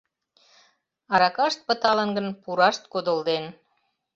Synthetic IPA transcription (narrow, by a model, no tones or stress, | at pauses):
ɑɾɑkɑʃt̪̚pət̪ɑlə̆nɡənpuɾɑʃt̪kod̪əld̪en